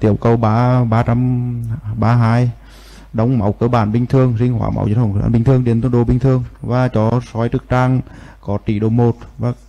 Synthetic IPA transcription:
t̪i˧˩əwkə˧wɓaː˨˧ɓaː˧t͡ɕa˧m | ɓaː˧ɦaː˧j | ɗə˨˦wŋ͡mma˨˦wkəː˨˧˦ɓaː˧˩nɓï˧ŋ̟t̪ʰɨ˧əŋzï˧ŋ̟hwa̰ː˧˩ma̰˨˦wə˧˦nfə˧˩˨a̰ː˧˨ɓi˧ŋ̟t̪ɨ˧əŋɗe˨˦nt̪ɗo˧˦ɓï˧ŋ̟t̪ʰɨ˧əŋvaː˨˩t͡ɕɔ˨˦sɔ˨˦jt̪ɨ˨˧˩k̚t͡ɕaː˧ŋkɔ˨˦t̪i˧˩ɗo˧˩mo˨˩t̚vaː˨˩

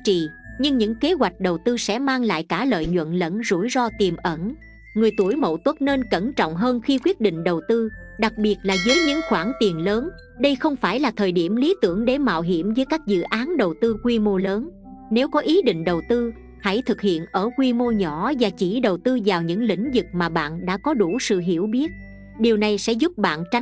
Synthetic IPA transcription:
t͡ɕḭ˧˨ɲɨ˧ŋɲɨ̰˧˥ŋke˨˦ɣwa˨˩jk̟̚ɗə˨˩wt̪ɨ˧sɛ̰˧˥maː˧ŋla̰ː˧˨jkaː˧˩lə̰ː˧˨jɲwə̰˧˨nlə̰˧˥nzṵ˧˩jzɔ˧t̪i˨˩mʔə˧˩n | ŋɨ˨˩əjt̪u˧˩əjmo̰˧˨wt̪wə˦˥t̚ne˧nkə˧˩nt͡ɕɔ̰˧˨wŋ͡mɦəː˧nxi˧kwi˦˥ət̚ɗḭ̈˧˨ŋ̟ɗə˨˩wt̪ɨ˧ɗa˨˩k̚ɓi˨˩ət̚laː˨˩zəː˨˦jɲɨ̰˧˥ŋxwaː˧˩nt̪i˨˩ənləː˨˦n | ɗə˧jxə˧wŋ͡mfaː˧˩jlaː˨˩t̪ʰəː˨˩jɗi˧˩əmli˨˦t̪ɨ˧˩əŋɗe˧˩ma̰ː˧˨wɦi˧˩əmvəː˨˦jkaː˦˥k̚zɨ̰˧˨ʔaː˨˦nɗə˨˩wt̪ɨ˧kwi˧mo˧ləː˨˦n | ne˨˦wkɔ˨˦ʔi˨˦ɗḭ̈˧˨ŋ̟ɗə˨˩wt̪ɨ˧ | ha̰˧˥jt̪ʰɨ˨˩k̚hḭ˧˨ənʔəː˧˩kwi˧mo˧ɲɔ˧˩˥vaː˨˩t͡ɕi˧˩ɗə˨˩wt̪ɨ˧zaː˨˩wɲɨ̰˧˥ŋlḭ̈˧˥ŋ̟zɨ˨˩k̚maː˨˩ɓa̰ː˧˨nɗa̰ː˧˥kɔ˨˦ɗu˧˩sɨ̰˧˨ɦi˧˩əwɓi˦˥ət̚ | ɗi˨˩əwna˨˩jsɛ̰˧˥zʊ˦˥p̚ɓa̰ː˧˨nt͡ɕa˨˦

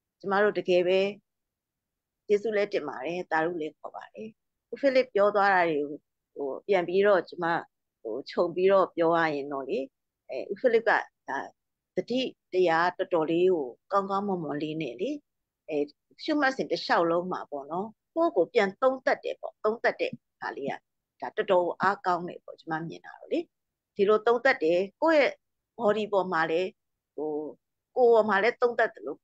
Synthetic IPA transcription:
t͡ɕə˦ma̰˦˨ɾo̰˦˨dəɡɛ˨βɛ˦ | t͡ɕe˦˨sṵ˦˨lɛ˦tɪ̃˨mba̰˨ɾɛ˨t̪a˨ɾṵ˦˨lɛ˦kʰɔ̰˨ba̰˨ɾɛ˨ | ʔu˦pʰi˦lɪ˦˨pːjɔ˦t̪wa˦ɾa˨ɹe˨ɡo˨ | o˨pjã˨mpi˦ɾɔ˦˨t͡ɕə˦ma̰˦˨ | o̰˨t͡ɕʰõ˨ʊ̃mpi˦ɾɔ˦˨pjɔ˦ba˦˨jɪ̃˨nɔ̰˦˨le˦ | ɛ˨ʔṵ˦˨pʰi˦˨lɪ˦p̚ka̰˦˨d̥a˨ | d̪̥ədḭ˦˨təja˦tətɔ˨le˦ɡo˨kã˦ʊ̃ŋkã˦ʊ̃mʊ̃˨mʊ̃˨le˦nɛ̰˦˨le˦ | ɛ˨ | ʃṵ˦˨ma˦ʔsɪ̃˨ntəʃa˦ʊʔlõ˦ʊ̃m̥a̰˨pɔ̰˦˨nɔ˦ | ko˦˨ɡo˨pjã˨nt̪õ˦ʊ̃nt̪a˦tːɛ̰˦˨pɔ̰˦˨t̪õ˦ʊ̃nt̪a˦tːɛ̰˦˨ | ha̰˨le˦a̰˦˨ | d̥a˨tətɔ˨ɡo˨ʔa˦kã˦ʊ̃nɛ̰˨pɔ̰˦˨t͡ɕə˦ma̰˦˨mjɪ̰̃˨na̰˨ɹɔ̰˦˨le˦ | d̥i˨lo˨t̪õ˦ʊ̃nt̪a˦tːɛ˨ko˦˨jɛ˦˨ | bɔ˨ɾi˨pɔ˨m̥a˨lɛ˦ | ho˨ | ko˨bɔ˨ma˨lɛ˦t̪õ˦ʊ̃nt̪a˦t̪̚ːəlo˨

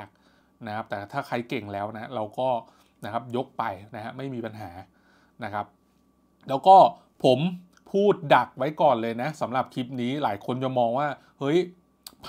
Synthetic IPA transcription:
k̚ | na˦˥kʰa˦˥p̚t̪ɛː˨˩t̪ʰaː˥˩kʰa˧jke˨˩ŋlɛː˦˥wna˦˥ɾa˧wkɔː˥˩ | na˦˥kʰa˦˥p̚jo˦˥k̚pa˧jna˦˥ha˦˥ma˥˩jmiː˧pa˧nɦaː˩˦ | na˦˥kʰa˦˥p̚ | lɛː˦˥wkɔː˥˩ | pʰo˩˦m | pʰuː˥˩t̪̚da˨˩k̚wa˦˥jkɔː˨˩nlɤː˧jna˦˥sa˩˦mɾa˨˩p̚kʰi˦˥p̚niː˦˥laː˩˦jkʰo˧nt͡ɕa˨˩mɔː˧ŋwaː˥˩ | hɤ˦˥j | pʰ

